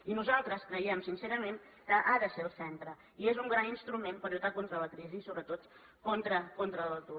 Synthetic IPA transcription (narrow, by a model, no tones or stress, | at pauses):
inuzalˠt̪ɾəskɾəiɛmsinseɾəmen | kəʔaðəseəlˠsɛnt̪ɾə | iezuŋɡɾaninst̪ɾumenpəɾʎut̪akont̪ɾələkɾiziːsoβɾət̪ot̪ | kont̪ɾəkont̪ɾələlˠt̪u